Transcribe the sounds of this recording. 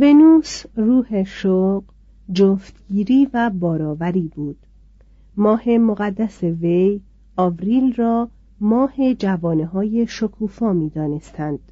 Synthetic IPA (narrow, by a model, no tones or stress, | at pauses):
ve̞nuːsruːheʃoɢ | d͡ʒoft̪ɡiːɾiːvæbɒːɾɒːvæɾiːbuːd̪̥ | mɒːhe̞moɣæd̪ːæseve̞j | ɒːvɾiːlrɒː | mɒːhe̞d͡ʒævɔːneɦɒːje̞ʃokʰuːfɒːmiːd̪ɒːne̞st̪ʰænd̪̥